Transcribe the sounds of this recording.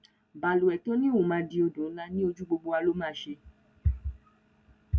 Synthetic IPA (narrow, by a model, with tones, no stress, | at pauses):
ba˨lu˨ɛ˨to˦nĩ˦o˨mãː˧di˧o˧dũ˨˦la˦nĩ˦o˧d͡ʒu˦ɡ͡bo˧ɡ͡bo˧a˧lo˦mãː˦ʃe˧